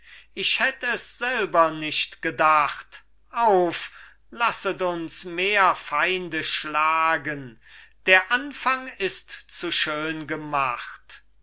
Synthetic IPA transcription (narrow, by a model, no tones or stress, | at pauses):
ʔɪʃhɛtəɛsz̥ɛlbɐnɪʃtɡ̥ədaχt | ʔaʊf | lasətʊnsmeːɐfaɪndəʃlaːɡənd̥eːɐʔanfaŋɪstt͡suʃøːnɡəmaχt